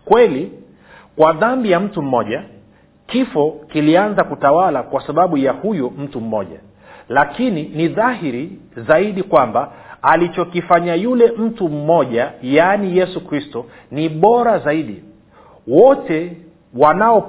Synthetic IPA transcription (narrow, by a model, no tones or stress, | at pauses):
kwɛli | kwaðambijam̩tum̩mɔʄa | kifɔkilianzakutawalakwasaɓaɓujahujum̩tum̩mɔ̰ʄa̰ | lakininiðaɦiɾi | zaiɗikwambaalit͡ʃɔkifaɲajulɛm̩tum̩mɔʄajanijɛsukɾistɔ | niɓɔɾazaiɗi | wɔtɛ | wanaɔ